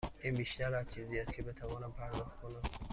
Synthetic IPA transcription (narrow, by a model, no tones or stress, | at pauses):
inbiʃt̪aɾat͡ʃʰiziast̪̚kʰibet̪ʰavɔnampʰaɾd̪ɔχt̪̚kʰɔnam